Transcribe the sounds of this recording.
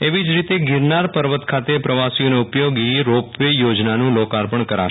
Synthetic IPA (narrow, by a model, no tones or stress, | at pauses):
eʋid͡ʒɾit̪eɡɪɾnaɾpəɾʋət̪kʰat̪epɾəʋasijoneʊpjoɡiiɾopʋejod͡ʒnanũlokaɾpəɳkəɾa̰ʃ